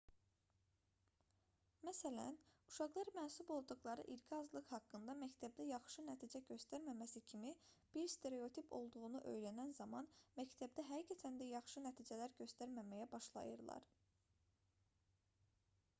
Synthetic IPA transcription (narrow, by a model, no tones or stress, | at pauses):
mæsælæ̰nuʃɑɣlˠɑɾmænsubo̞lˠd̪uɣlˠɑɾɯ̰ʔiɾcʰiɑzlˠɯχhɑkːɯnd̪ɑmæct̪ʰæb̚d̪æjɑχʃɯnæt̪ʰid͡ʒæɟø̞st̪æɾmæmæsicʰimib̥iɾst̪ʰe̞ɾe̞o̞t̪ʰipʰo̞̰lˠd̪uɣunuʔø̞jlænænzɑmɑnmæct̪ʰæbd̪æɦæicʰæt̪ʰænd̪æjɑχʃɯnæt̪ʰiːd͡ʒælæɾɟø̞st̪æɾmæmæjæbɑʃlˠɑ̰jɯɾlˠɑ̰ɾ